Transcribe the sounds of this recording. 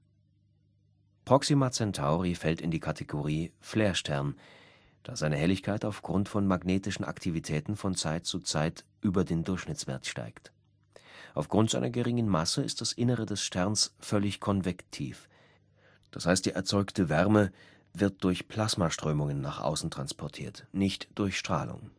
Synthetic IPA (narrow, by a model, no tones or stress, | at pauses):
pʁ̥ɔksimat͡sɛntʰaʊʁifɛltɪndiːkʰatʰeɡoʁiːfleːɐʃtʰɛɐn | d̥aːzaɪnəhɛlɪçkʰaɪtaʊfɡ̥ʁʊntfɔnmaɡneːtɪʃn̩ʔa̰ktʰivitʰɛːtn̩fɔnt͡saɪt̚t͡sut͡saɪtʔyːbɐdeːndʊɐçʃnɪt͡sv̥ḛɐtʃta̰ɪkt | ʔaʊfɡ̥ʁʊntz̥a̰ɪnɐɡəʁɪŋənmasəɪst̚d̥asʔɪnəʁədɛsʃtʰɛʁnsfœlɪçkʰɔnvɛktʰḭːf | d̥ashaɪstd̥iːʔɛɐt͡sɔʏktəvɛʁmə | vɪɐt̚d̥ʊɐçpʰl̥asmaʃtʁ̥øːmʊŋənːaːχʔa̰ʊsn̩tʁ̥anspʰɔɐtʰḭːɐtnɪçtd̥ʊɐçʃtʁ̥a̰ːlʊ̰ŋ